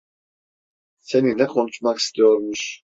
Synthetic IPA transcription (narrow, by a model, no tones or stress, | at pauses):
senilɛkʰo̞nut͡ʃmaki̥st̪ʰijo̞ɾmuʃ